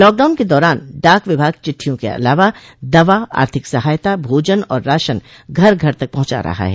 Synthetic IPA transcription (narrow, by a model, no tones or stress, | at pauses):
lɔːk̚ɖaːʊnked̪ɔːɾaːnɖaːkʋɪbʱaːɡ̚t͡ʃɪʈʰːijõkḛɐ̰laːʋa | d̪ɐʋaa̰ːɾt̪ʰɪksɐɦaːjt̪abʱoːd͡ʒənɔːɾːaːʃən | ɡʱɐɾɡʱɐɾt̪ɐk̚pɐɦʊ̃t͡ʃa̰ɾɐ̰ɦa̰ɦɛː